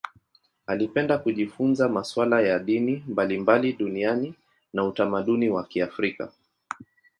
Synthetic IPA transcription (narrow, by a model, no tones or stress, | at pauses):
alipɛndakuʄifunzamaswalajaɗinimbalimbaliɗuniani | nautamaɗuniwakiafɾika̰